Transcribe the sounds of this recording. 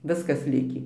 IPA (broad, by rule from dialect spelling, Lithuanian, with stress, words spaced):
ˈʋʲɪskɐs ˈlʲɪkʲiː